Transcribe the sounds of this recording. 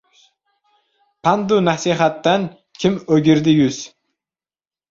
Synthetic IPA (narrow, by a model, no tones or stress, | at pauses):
pʰand̪ʊnasiɦat̪ːan | kʲʰɪmɵɡʲɪɾd̪ɪjʊz̥